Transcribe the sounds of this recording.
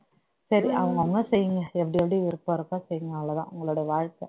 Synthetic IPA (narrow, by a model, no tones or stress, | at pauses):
sɐɾiɐʋɐŋɡɐʋɐŋɡɐsɛjːɯŋɡɐɛpːɐɽiɛpːɐɽiʋɪɾɯpːɐɾɯkːaːsɛjːɯŋɡɐnalɐt̪ã̰ːʊ̰ŋɡɐɭuɽɐjɐʋaːɻkːɐ